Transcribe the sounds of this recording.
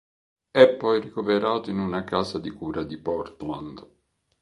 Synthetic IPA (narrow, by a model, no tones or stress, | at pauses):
ɛpːɔjrikoveɾaːt̪oinunakaːsad̪ikuːɾad̪ipɔrt̪land̪